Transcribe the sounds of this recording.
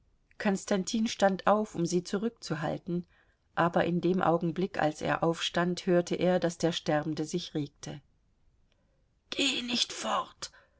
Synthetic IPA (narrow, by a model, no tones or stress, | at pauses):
kʰɔnstantʰiːnʃtantʔaʊfʊmziːt͡suʁʏk̚t͡suɦa̰ltn̩ | ʔaːbɐʔɪndeːmʔa̰ʊɡŋ̩blɪka̰lsḛːɐʔaʊfʃtanthøːɐtʰəʔeːɐdasd̥eːɐʃtɛɐbn̩dəzɪçʁeːk̚tʰə | ɡ̥eːnɪçtfɔʁt